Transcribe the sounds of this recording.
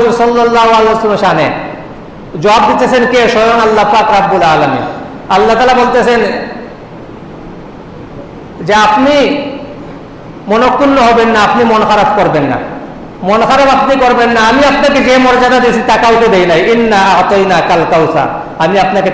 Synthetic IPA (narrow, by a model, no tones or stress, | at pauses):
zuɾsɔlːɔlːaɦoaleasmoʃane | d͡ʑɔab̚d̪it̪ːesʰenkeʃɔjoŋalːapakɾabːulaːlamḭn | alːat̪aːlabolt̪esʰen | d͡ʑeapni | monokːunːoɦɔbenːaapnimɔnxaɾabkoɾbenːa̰ | mɔnxaɾabapnikoɾbenːaamiapnaked͡ʑemɔɾd͡ʑad̪ad̪it͡ɕʰit̪akaut̪ed̪ejnajinːaat̪ojnakalkawsa̰ | amiapnake